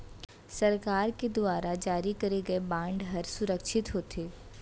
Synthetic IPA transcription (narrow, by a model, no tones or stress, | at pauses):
sɐɾkaːɾked̪ʊaːɾad͡ʒaːɾikɐɾeɡɐebãːɳɖɦɐɾsʊɾəkʃʰɪt̪ɦoːt̪ʰeː